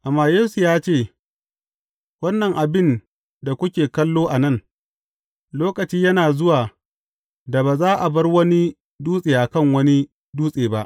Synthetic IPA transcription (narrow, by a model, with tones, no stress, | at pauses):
ʔa˨mːaː˦jeː˦su˨jaː˦t͡ʃeː˦˨ | wɐ˦nːɐ˨ŋʔa˨bɪ˦n | da˨kʷʊ˦kʲeː˨kɐ˦lːoː˦ʔa˨nɐ˦˨ŋ | loː˦kɐ˨t͡ʃiː˦jɐ˦naː˨zʊ˦waː˨ | da˨baː˨zaː˦ʔa˨bɐ˦rwɐ˦ni˦ | duː˦sʼeː˨ʔa˨kɐ˦˨ŋwɐ˦ni˦ | duː˦sʼeː˨ba˦ʔ